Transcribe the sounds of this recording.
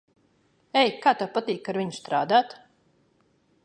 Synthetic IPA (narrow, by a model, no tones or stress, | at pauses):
ɛjkaːt̪apat̪iːkaɾviɲust̪ɾaːd̪aːt̪